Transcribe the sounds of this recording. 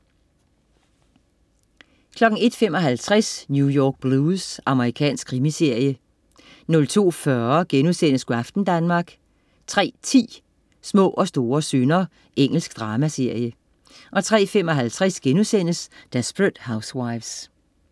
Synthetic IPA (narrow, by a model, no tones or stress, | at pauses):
kʰlɒ̽ɡ̥n̩e̝d̥femɒ̽ɦælt͡sʰʁasnjujɒːɡ̥̚b̥luːsɑ̈məʁikʰɛ̰ːnsɡ̥̚kʰʁimise̝ɐ̰jə | nɔ̽lt͡sʰo̝̰ːfɶɐɡ̥enusen̰əsɡ̥uæfd̥n̩d̥ænmɑ̈ːɡ̥ | t͡sʰʁɛ̰ːt͡sʰḭː | smɔ̰ːʔɒ̽sd̥o̝ːɐsønɐ | eŋ̰l̩sɡ̥d̥ʁɑ̈ːmæse̝ɐ̰jə | ʔɒ̽t͡sʰʁɛ̰ːfemɒ̽ɦælt͡sʰʁɛsɡ̥enusen̰əsd̥esb̥ʁed̥hɑ̈ʊswɑ̈ɪʋs